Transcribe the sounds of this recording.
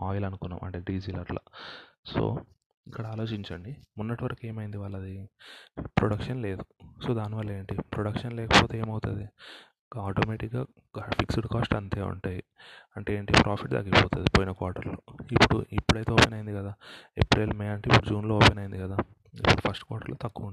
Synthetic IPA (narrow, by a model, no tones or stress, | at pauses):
aːjlɐnukunːa̰ːmɐ̰ɳʈe̞ːɖiːd͡ʒiːlɐɾla̰so̞̰ː | ikːɐɽaaːlo̞ːt͡ʃiɲt͡ʃɐɳɖimunːɐʈiʋɐɾɐkue̞ːmɐjind̪iʋaːɭːɐd̪i | pɾoɽɐkʂɐnle̞ːd̪uso̞ːd̪aːnːiʋɐlːɐeːɳʈipɾoɽɐkʂɐnlɛːkɐpo̞ːt̪eeːmɐwt̪ud̪i | aːʈoːmeːʈikɡaː | pʰiksuɽkaːsʈɐnt̪e̞ːṵɳʈaːjiɐɳʈeːɳʈipɾʔaːpʰiʈd̪a̰ːɡipoːt̪und̪ipoːjinɐkaːɾʈɐɾloipːuɽṵipːuɽɐjt̪eoːpenɐjind̪ikɐd̪aːḛpɾeːlmeːɐɳʈeipːuɽud͡ʒuːnloːɔːpenɐjind̪ikɐd̪aː | ḭpːuɽupʰɐsʈkʋaːɾʈɐɾloːt̪ɐkːuːuɳ